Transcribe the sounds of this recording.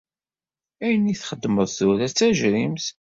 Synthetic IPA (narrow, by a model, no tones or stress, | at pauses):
æjəniθχəd̪ːməðˤθuɾæt͡sːæʒɾimθ